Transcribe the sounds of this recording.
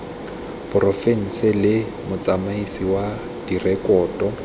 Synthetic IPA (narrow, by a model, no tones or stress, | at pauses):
pʊrɔfen̩sɪlɪ | mʊt͡sʼamaisiwa | d̥irɛkʼɔːtʼɔ